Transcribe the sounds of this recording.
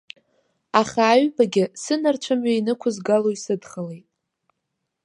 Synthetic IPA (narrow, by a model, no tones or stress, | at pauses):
aχaːɥbaɡʲɪsɨnart͡ʃʷʰamɥainɨkʷʰʊzɡaloisɨdχəlejtʼ